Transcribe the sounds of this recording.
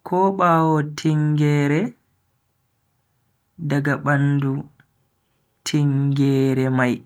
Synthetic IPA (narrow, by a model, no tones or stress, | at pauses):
kʰɔɓaːwɔtʰiŋɡɛːɾɛ | daɡaɓandu | tʰiŋɡɛːɾɛmaj